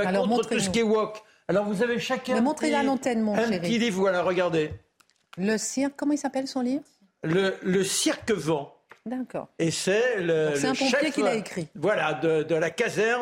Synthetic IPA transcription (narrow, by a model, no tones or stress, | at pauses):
aaklɔɔ̃tmɔ̃ətχussəkʲɛwɔk | alɔʁvuzaveʃakʲɛ̃ɛmɔ̃t̪χelalɑ̃t̪ɛnmɔ̃ɛ̃ʃpeəʁt̪ilivʁwalaʁəɡaʁd̪e | ləsiʁkːɔmɑ̃ilsapɛlsɔ̃livʁ | lələsiʁkvɑ̃d̪akɔ̰ːʁesɛlə̃ɛɛ̃pɔ̃ʃɛjefkilaekχivwalad̪əd̪əlakazɛ